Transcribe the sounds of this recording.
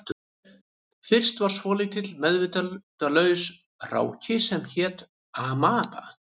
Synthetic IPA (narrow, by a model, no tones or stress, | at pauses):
fɪr̥st̪vaɾ̥svɔːlɪɣt̪ʰɪt̪lmɛðvɪnt̪at̪alœːɥs | r̥a̰ːwcɪsɛmçɛːt̪ | amaːpa̰